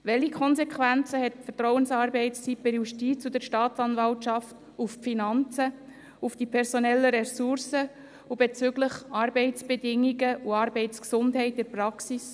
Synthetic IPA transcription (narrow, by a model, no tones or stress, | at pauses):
ʋɛlikʰɔnsɛkχʋænt͡səhɛt̚pfətrɔwənsɑːɾbɛɪtsipɛɾjuʃtiːt͡sud̥əɾʃtɑːt͡sɑnvɑltʃɑft | uffinɑnt͡sə | ufd̥ipʰɛɾsonɛlːəɾɛsuɾsə | ubet͡sʏɡləχɑːɾbɛɪtt͡sb̥edɪŋːiɡəʔuɑːɾbɛɪtsksʊndɦɛɪtɪɾprɑksis